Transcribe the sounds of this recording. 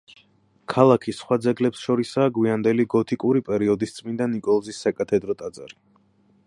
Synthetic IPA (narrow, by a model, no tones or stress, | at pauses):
kʰalˠakʰisχwad̪zɛɡlɛpsʃɔɾisaːɡwiand̪ɛliɡɔt̪ʰikʼuɾipʼɛɾiɔd̪ist̪sʼmind̪anːikʼɔlˠzisːakʼat̪ʰɛd̪ɾɔt̪ʼad̪zaɾi